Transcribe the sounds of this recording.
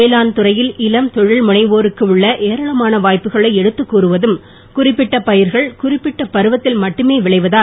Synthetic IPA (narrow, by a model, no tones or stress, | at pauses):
eːlaːnt̪ʊɾɐjɪlɪlɐmt̪ɔɻɪɭmʊɳɐɪʋoːɾɯkːɯɯɭːɐʔeːɾɐɭɐmaːnɐʋaːjpːɯɣɐɭɐɪɛɽɯt̪ːɯkːuːɾɯʋɐðɯm | kʊrɪpːɪʈːɐpɐjɪɾɣɐɭkʊrɪpːɪʈːɐpɐɾɯʋɐt̪ːɪlmɐʈːɯmeːʋɪɭɐɪʋɐðaː